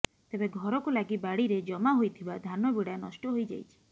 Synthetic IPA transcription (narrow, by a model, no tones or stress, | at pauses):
t̪ebeɡʱɔɾɔkulaɡibaɽiɾed͡ʒɔmaɦojt̪ʰibad̪ʱanɔbiɽanɔ̰sʈɔɦojd͡ʒa̰jt͡ʃʰi̥